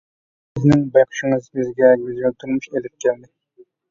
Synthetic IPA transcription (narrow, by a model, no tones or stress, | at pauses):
sɪznɪŋbɑjqʰɨ̥ʃɪŋɨzɪzɡʲɛɡʲyzʲælt̪ʰuɾmuʃelɪp̚kʲʰɛld̪ɪ